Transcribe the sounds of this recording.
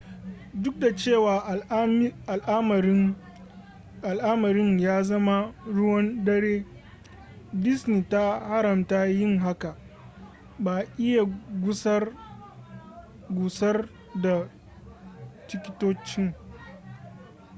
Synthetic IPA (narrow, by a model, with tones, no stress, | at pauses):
dʊ˦k̚da˨t͡ʃeː˦˨waː˨a˨lʔa˦m˨˦ | ʔa˨lʔa˦mɐ˨ɾɪ˦ɲjaː˦zɐ˦ma˦ɽʊ˦wɐ˦ndɐ˦ɽeː˦ | dɪ˦sni˨ta˦ha˦ɽɐ˨mta˦jɪ˦ŋɦa˦ka˨ | baː˨ʔɪ˦ja˨ɡʷʊ˦sɐ˦r | ɡʷʊ˨sɐ˦r | da˨ | t͡ʃɪ˦kʲɪ˦toː˦t͡ʃɪ˦ŋ